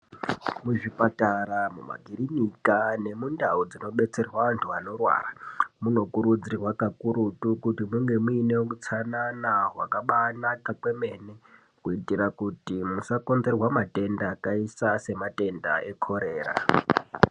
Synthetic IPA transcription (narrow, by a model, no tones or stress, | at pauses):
muʐipataɾamṵma̰ɡʱiɾinikane̞mundaud͡zino̞ɓe̞t͡se̞rwaʋantʰuano̞rwa̰ːramuno̞kuɾud͡zirwakakuɾutukutimuŋɡe̞muinewokut͡sʰananaɦwakaɓanakakwe̞me̞ne | kuitiɾakutimusako̞nd͡ze̞rwamate̞ndaːkaisase̞mate̞nda̰e̞kʰo̞ɾe̞ːra̰